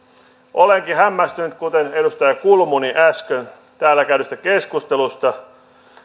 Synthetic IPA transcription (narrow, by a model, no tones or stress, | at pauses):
ʔoleŋkihæmːæst̪ynyt̪̚kut̪enedust̪ɑjɑkulmuniʔæskøn | t̪æːlːækæyɾøst̪ækeskust̪elust̪ɑ